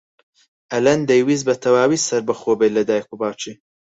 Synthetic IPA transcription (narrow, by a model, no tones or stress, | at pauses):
ʔɐlɐnd̪ejwizbɐt̪ʰɐwaːwisɐɾbɐxobelɐd̪aːjkubaːwt͡ʃi